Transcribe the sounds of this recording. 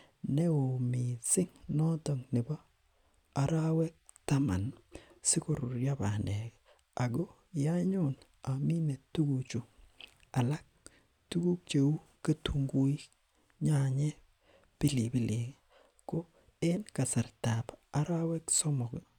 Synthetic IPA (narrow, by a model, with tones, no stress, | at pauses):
nɛ˦o˨mi˨sɪ˦ŋnɔ˦tɔ˨ŋnɪ˨bɔ˦ | a˨ɾa˦wɛ˦k̚ | ta˦ma̰˨nsɪ˦ko˨ɾʊ˨ɾja˦ba˨nɛ˨k | a˨ɡo˦ | ja˦ɲʊ˦˨n | a˨mi˦me˨tu˦ɡu˨t͡ʃu˨ | a˨la˦k̚ | tu˦ɡu˦k̚t͡ʃe˨u˦ | ka˦tʰu˨ŋɡu˦i˦ | ɲa˦ɲɛ˦ | pɪ˦li˨bi˦lɪ˨k | ko˦ | ɛ˦nka˨sa˨ɾta˨pa˦ɾa˦wɛ˦ksɔ˦mɔ˨k